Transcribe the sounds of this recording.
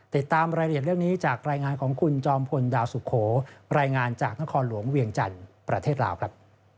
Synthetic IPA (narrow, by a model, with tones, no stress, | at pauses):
t̪i˨˩t̪ːaː˧mɾaː˧jɾi˨˩t̪̚ɾɯ˥˩əŋniː˦˥t͡ɕaː˨˩k̚ɾaː˧jŋaː˧nkʰɔː˩˦ŋkʰu˧nt͡ɕɔː˧mpʰo˧ndaː˧wsu˨˩kʰoː˩˦ɾaː˧jŋaː˧nt͡ɕaː˨˩k̚na˦˥kʰɔː˧nlu˩˦əŋwi˧əŋt͡ɕa̰˧npɾa˧t̪ʰeː˥˩t̪̚la̰ː˧wkʰɾa˦˥p̚